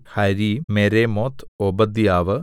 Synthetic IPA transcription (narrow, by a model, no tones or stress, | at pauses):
hɐɾimeɾemoːt̪ʰobɐd̪ijaːʋɨ